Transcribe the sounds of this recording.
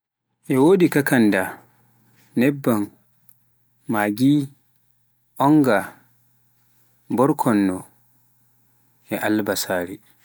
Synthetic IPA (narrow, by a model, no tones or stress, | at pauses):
ʔɛwoːdikakanda | nɛbːan | maɡi | ʔɔŋɡa | bɔɾkʰɔnːɔ | ʔɛʔalbasaːɾi